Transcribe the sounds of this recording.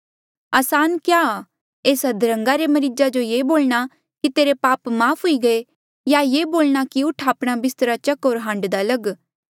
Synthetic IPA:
ɐːsaːnkjaːaː | eːsɐd̪ɾə̃ŋɡaɾemɐɾid͡ʒad͡ʒojeːboːlɽ̃a | kit̪eːɾepaːpmaːfʰɦʊiɡɐe | jajeːboːlɽ̃akiʊʈʰaːpɽ̃abɪst̪ɾat͡ʃɐkoːɾɦãːɳɖd̪alɐɡ

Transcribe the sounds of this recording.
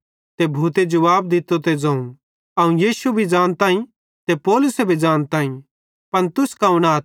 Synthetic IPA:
t̪ebʱuːt̪ed͡ʒʊʋaːbd̪ɪt̪ːot̪ed͡ʒɐ̃ũ | ɐũjiːsubʱid͡ʒãːñt̪ãːĩ | t̪epɔːlʊsebʱid͡ʒaːnt̪ãːĩ | pɐnt̪ʊskaʊñaːt̪

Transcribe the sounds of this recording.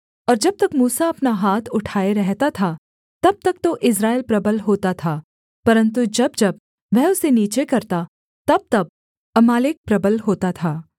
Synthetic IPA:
ɔːɾd͡ʒɐb̚t̪ɐkmuːsaɐpnaɦaːt̪ʰʊʈʰaːeɾɛɦt̪at̪ʰa | t̪ɐb̚t̪ɐk̚t̪oʔɪs̬ɾaːɪlpɾɐbəlɦoːt̪at̪ʰaː | pɐɾə̃nt̪̬ud͡ʒɐbd͡ʒɐb̚ | ʋɛɦʊseniːt͡ʃekɐɾt̪a | t̪ɐb̚t̪ɐb̚ | ɐmaːlɪk̚pɾɐbəlɦoːt̪at̪ʰaː

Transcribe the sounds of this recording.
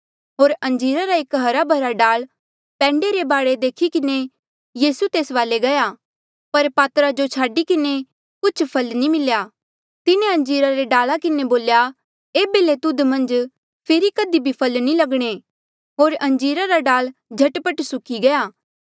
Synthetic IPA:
ɦoːɾɐ̃ɲd͡ʒiːɾaɾaeːkɦɐɾabʱɐɾaɖaːl | pɛ̃ːɳɖeɾebaːɽed̪eːkʰikɪne | jiːsut̪eːsʋaːleɡɐja | pɐɾpaːt̪ɾad͡ʒot͡ʃʰaːɖikɪne | kʊt͡ʃʰpʰɐlnimɪljaː | t̪ɪnẽɐ̃ɲd͡ʒiːɾaɾeɖaːlakɪneboːlja | eːbelet̪ʊd̪mɐ̃nd͡ʒ | pʰeːɾikɐd̪ibʱipʰɐlnilɐɡɽ̃e | ɦoːɾɐ̃ɲd͡ʒiːɾaɾaɖaːld͡ʒʱɐʈpəʈsʊkʰiɡɐjaː

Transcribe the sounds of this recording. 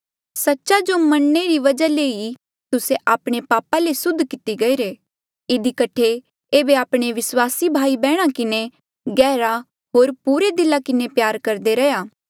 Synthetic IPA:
sɐtːʃad͡ʒomɐɽneɾiʋɐd͡ʒaleːi | t̪ʊseʔaːpɽ̃epaːpalesʊd̪ʱːkɪt̪iɡɐiːɾe | ɪd̪ʱikɐʈʰe | eːbeaːpɽ̃eʋɪswaːsibʱaːibɛːɽ̃akɪne | ɡɛːɾa | ɦoːɾpuːɾed̪ɪlakɪnepjaːɾkɐɾd̪eɾɐjaː

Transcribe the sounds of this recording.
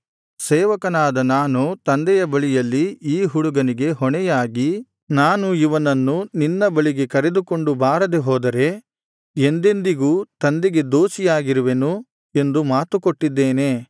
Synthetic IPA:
sɛːʋɐkɐnaːd̪ɐnaːnut̪ɐnd̪ɛjɐbɐɭijɐlːiiːɦuɽuɡɐniɡe̞ɦɔɳɛjaːɡi | naːnuiʋɐnɐnːuninːɐbɐɭiɡe̞kɐɾe̞d̪uko̞ɳɖubaːɾɐd̪eɦɔːd̪ɐɾe̞ | end̪e̞nd̪iɡuːt̪ɐnd̪eɡe̞d̪oːsijaːɡiɾuʋenu | e̞nd̪umaːt̪ukoʈːid̪ːeːne̞ː

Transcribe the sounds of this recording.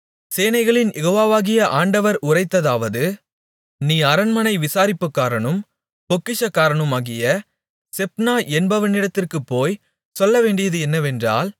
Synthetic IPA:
seːnɐɪɣɐɭɪnjɛɣoːʋaːʋaːɣɪjɐʔaːɳɖɐʋɐɾʊrɐɪt̪ːɐðaːʋɐðɯ | niːɐɾɐnmɐnɐɪʋɪsaːɾɪpːɯkːaːɾɐɳɯm | pɔkːɪʂɐkːaːɾɐɳɯmaːɣɪjɐ | sɛpnaːʔɛnbɐʋɐnɪɽɐt̪ːɪrkɯpːoːj | sɔlːɐʋeːɳɖɪjɐðɯɛnːɐʋɛndra̰ːl

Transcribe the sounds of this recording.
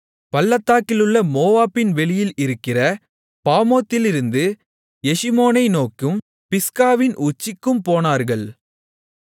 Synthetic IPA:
pɐlːɐt̪ːaːkːɪlɯɭːɐmoːʋaːpːɪnʋɛɭɪjɪlɪɾɯkːɪrɐ | paːmoːt̪ːɪlɪɾɯnd̪ɯ | jɛʂɪmoːnɐɪnoːkːɯm | pɪskaːʋɪnʔʊt͡ʃːɪkːɯmpoːnaːɾɣɐɭ

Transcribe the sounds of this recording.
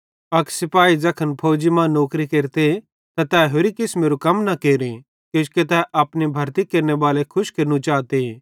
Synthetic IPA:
ɐksɪpaːid͡zɐkʰənpʰoːd͡ʒimãːnoːkɾikeːɾt̪e | t̪at̪ɛːɦoɾikɪsmeːɾukɐmnɐkeːɾĩ | koːsket̪ɛʔɐːpnibʱɐɾt̪ikeːɾnebaːlekʰʊʃkeːɾnũt͡ʃaːt̪e

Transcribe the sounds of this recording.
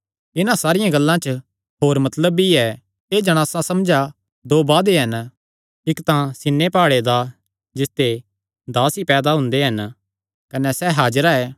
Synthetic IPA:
ɪnãsaːɾɪjãɡɐlːãt͡ʃə | ɦoːɾmɐt̪ləbiɛ | eːd͡ʒɐɽ̃aːsãsɐmd͡ʒa | d̪oːbaːd̪eɦɐn | ɪkt̪ãsɪnːepaːɽed̪a | d͡ʒɪst̪e | d̪aːsipɛːd̪aɦʊ̃nd̪eɦɐn | kɐnɛsɛɦaːd͡ʒɾaɛː

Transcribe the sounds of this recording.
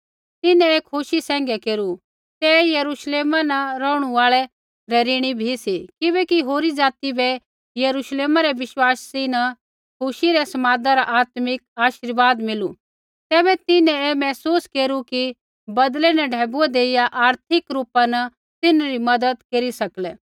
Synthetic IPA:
t̪ɪnɛ̃eːkʰʊʃisɛ̃ːŋ̆ɡɛkeːɾu | t̪ɛjɐɾuːʃleːmanɐɾɔːɽ̃uaːɭɛ | ɾɛɾiːɽ̃ibʱisikɪbɛkiɦoːɾid͡zaːt̪ibɛ | jɐɾuːʃleːmaɾɛʋɪʃwaːsːinɐ | kʰʊʃiɾɛsɐmaːd̪aɾaʔaːt̪mɪk̚aːʃɪɾʋaːd̪mɪlu | t̪ɛːbɛt̪ɪnɛ̃ɛmɛːsuːskeːɾuki | bɐd̪lɛnɐɖʱɛːbuɛd̪eːɪjaʔaːɾt̪ʰɪkɾuːpanɐ | t̪ɪnɾimɐd̪əd̪keːɾisɐklɛ

